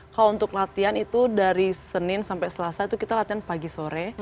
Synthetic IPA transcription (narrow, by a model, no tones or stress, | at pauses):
kalount̪ʊklat̪ianit̪udaɾisənɪnsampɛsəlasait̪ukit̪alat̪ianpaɡisoɾɛ